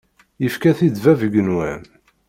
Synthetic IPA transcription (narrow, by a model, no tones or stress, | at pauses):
jəfkæθid̪vævəɡənwæn